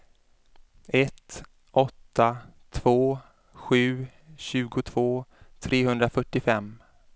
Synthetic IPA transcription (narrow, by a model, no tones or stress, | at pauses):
ɛt̪ | ʔɔt̪ːat̪ʰv̥oː | ɧʉ̟ː | ɕʉ̟ːɡʊt̪ʰv̥oːt̪ʰɾeːɦɵnd̪ɾafœʈːɪfɛmː